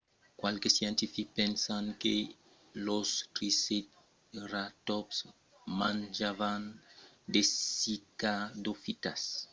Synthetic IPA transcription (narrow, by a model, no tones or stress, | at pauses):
kwalkesjẽnt̪ifikpensanke | lostɾiset̪ | ɾat̪ɔps | mãnd͡ʒavand̪esikad̪ofit̪as